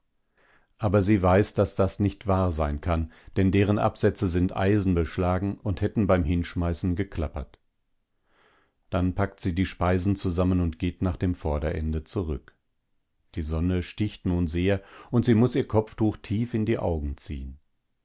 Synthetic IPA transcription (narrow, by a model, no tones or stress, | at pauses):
ʔaːbɐziːvaɪsd̥asd̥asnɪçtv̥aːɐzaɪnkʰand̥ɛndeːʁ̞ənʔa̰pz̥ɛt͡səzɪntʔa̰ɪzn̩bəʃlaːɡŋ̩ʊnthɛtn̩baɪmhɪnʃmaɪsn̩ɡəkʰl̥apɐt | d̥anpʰak̚tz̥iːdiːʃpaɪzn̩t͡suzamənʊntɡ̥eːtnaːχd̥eːmfɔɐdɐʔɛ̰ndət͡suʁʏk | d̥iːzɔnəʃtɪçtnuːnzeːɐʔʊntz̥iːmʊsiːɐkʰɔp͡ftuːxtʰiːfɪndiːʔa̰ʊɡŋ̩t͡sḭːən